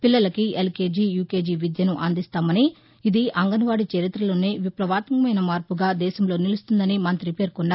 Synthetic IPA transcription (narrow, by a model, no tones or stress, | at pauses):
pilːɐlɐkielkeːd͡ʒijuːkeːd͡ʒiʋid̪jɐnuʔɐnd̪ist̪aːmɐni | id̪iʔɐŋɡɐnɐʋaːɽit͡ʃeɾit̪ɾɐlo̞ːne̞ːʋipɾɐʋaːt̪mkɐmɐjnɐmaːɾpuɡaːd̪ɛːʃɐmlo̞ːnilust̪und̪ɐnimɐnt̪ɾipe̞ːɾkɔnːaː